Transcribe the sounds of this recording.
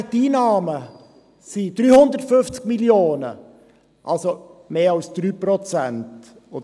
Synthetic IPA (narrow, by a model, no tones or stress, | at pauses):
tiːnɑːmə | sid̪̥ɾyːhʊnd̪əɾtfʏnft͡skmiljoːnə̰ | ʔa̰lsomeːɑlsd̥̪ɾyːpɾɔt͡sænt | o